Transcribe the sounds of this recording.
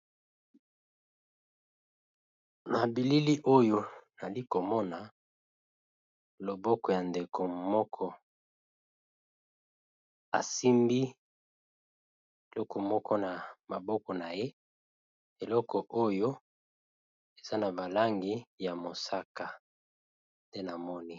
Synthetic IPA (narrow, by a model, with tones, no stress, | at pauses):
na˨bi˨li˦li˦ʔo˦jo˦na˨li˦ko˨mɔ˦na˨ | lo˨bɔ˦kɔ˨ja˨nde˨ko˨mɔ˦kʰɔ˦ | a̰˨si˦mbi˦ | e˨lɔ˦kɔ˨mɔ˦kɔ˦na˨ma˨bɔ˦kɔ˨na˨je˦ | e˨lɔ˦kɔ˨ʔo˦jo˦ | e˨z̥a˦na˨ba˨la˦ŋɡi˦ja˨mo˨sa˦ka˨ | nde˦na˨mɔ˦ni˦